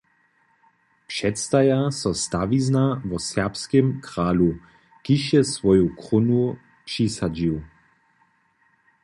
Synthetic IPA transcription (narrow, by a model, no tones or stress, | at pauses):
pʂɛtst̪ajasɔst̪aʋiznavɔsɛʁpskɛmkʁaːlu | kiʃjɛsʋɔjukʁʊnu | pʂisad͡ʑiw